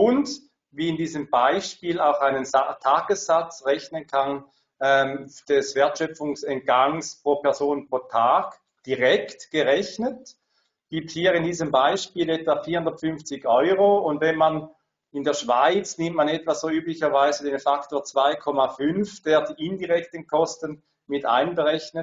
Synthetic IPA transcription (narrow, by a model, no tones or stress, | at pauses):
ʊnd | viːɪndiːzəmb̥aɪʃpiːlaʊxaɪnəntʰaːɡ̥əsːat͡sʁɛçnənkʰan | ɛmd̥ɛsvɛɐtʃœp͡fʊŋsɛnt̚ɡ̥aŋspʁ̥oːpɛɐzoːnpʁ̥oːtʰaːɡ̥ | d̥iʁɛktɡ̥əʁɛçnət | ɡ̥iːp̚thiːɐʁɪndiːzəmbaɪʃpiːlɛtvafiːɐhʊnd̪ɐtfʏnft͡sɪçɔʏʁoʊndvɛnman | ɪndeːɐʃv̥aɪt͡snɪmt̚manɛtv̥az̥oːyːplɪçɐvaɪzədeːnfaktoːɐt͡sv̥aɪkʰɔmafʏnfd̥eːɐdiːʔɪndiʁɛktənkʰɔstən | mɪta̰ɪnbəʁɛçnə